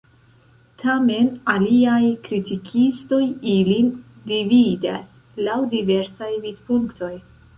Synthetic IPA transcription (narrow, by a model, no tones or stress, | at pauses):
tʰame̞naliajkɾitikʰisto̞jilin | divida̰s | lawdive̞ɾsajvidpuŋkto̞j